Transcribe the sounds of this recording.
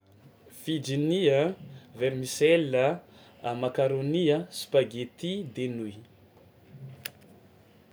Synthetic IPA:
fid͡ʒiniəveɾmisɛlə | amakaɾoniəsi̥paɡet̪id̪enuj

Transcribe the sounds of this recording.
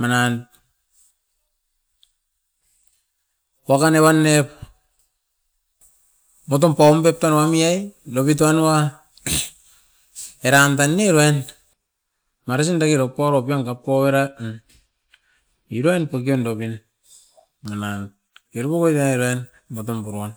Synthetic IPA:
manan | wakanewanːep | motompampep̚tanwamiajlopit̬oanwa | eɾantanːeɾoajn | maɾes̬indakiɾopːoaɾop̬iaŋkapːoweɾa | iɾoajnpok̬iondopin | manan | keɾupokojtaneɾoajn | motompuɾuan

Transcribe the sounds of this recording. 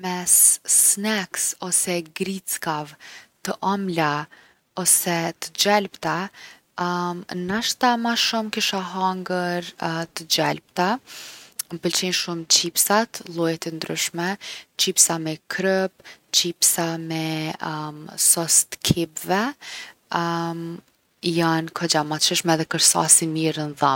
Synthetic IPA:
mɛsːnɛksɔsɛɡɾit͡skavt̪əʔɔmla | ɔsɛt̪əd͡ʒɛlpt̪a | nəʃt̪amaʃumkiʃaɦaŋɡəɾt̪əd͡ʒɛlp̚t̪a | məpəlt͡ʃinʃumt͡ɕipsat̪lˠujɛt̪ɛnd̪ɾyʃmɛt͡ɕipsamɛkʰɾəpt͡ɕipsamɛ | sɔst̪kʰibvɛ | jankʰɔd͡ʑamat͡ʃəʃmɛðɛkəɾsa̰simiɾənðɔ

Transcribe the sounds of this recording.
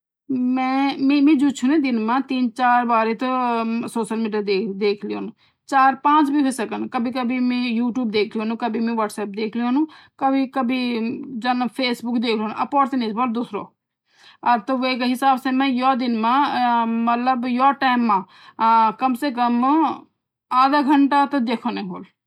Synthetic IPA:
mɛ̃ːmẽːmẽːd͡ʒuːt͡ʃʰunẽːd̪ɪnmãːt̪iːnt͡ʃaːɾbaːɾeːt̪soːʃəlmiːɖijaːd̪eːd̪eːkʰlio̰ːnũː | t͡ʃaːɾpãːt͡ʃbiːɦoːsəkənkəbʱiːkəbimẽːjuːʈjuːbd̪eːkʰljõːnũːkəbiːmẽːʋəːʈsɛːp̚d̪eːkʰleoːnũːkəbiːkəbiːd͡ʒɐnpʰeːsbʊkd̪eːkʰlionṵ̃ʔɐpɔːɾsenẽsboːld̪ʊːsɾo̰ː | ɐɾt̪oʋekeɦɪsaːbsemɛ̃jɔd̪ɪnmãmət̪ləbjɔːʈɛːmːãː | kɐmsek̬əm | aːd̪aɡʱəɳʈat̪d̪eːkʰonẽɦoːl

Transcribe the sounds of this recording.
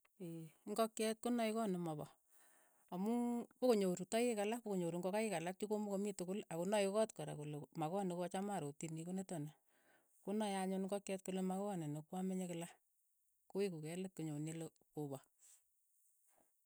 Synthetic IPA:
eŋɡɔkɛt̚kunaikɔnemɔbɔ | amupokoɲoɾutɔjekalapokoɲoɾuŋɡɔkajɪkalak̚t͡ʃikomukomitʊkʊlakunajokɔtkoɾa̰kulomakɔnekɔt͡ʃamaɾotinikonetɔna | kunajaɲʊnŋɡɔkjɛtkulemakoanenokwameɲekɪla | koikukɛletkuɲonilo | kobɔ

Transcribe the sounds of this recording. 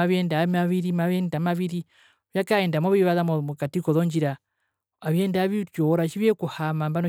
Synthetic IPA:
aβjɛndamaβiɾimaβɛndamaβiɾi | βjakaendamoβiβaðammukatikɔðoɲd͡ʒiɾa | aβjɛndaβit͡ʃoɾat͡ʃiβjɛkuhamambano

